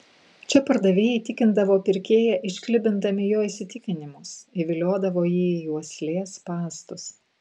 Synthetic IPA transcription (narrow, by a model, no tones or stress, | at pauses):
t͡ʃʲɛpɐɾd̪ɐʋʲeːjɛɪt̪ʲɪkʲɪnd̪ɐʋoːpʲɪɾʲkʲeːjɛʔɪʃʲkʲlʲɪbʲɪnd̪ɐmʲɪjoːiːsʲɪt̪ʲɪkʲɪnʲɪmʊsɪʋʲɪlʲoːd̪ɐʋoːjiːuɔsʲlʲeːspɑːst̪ʊs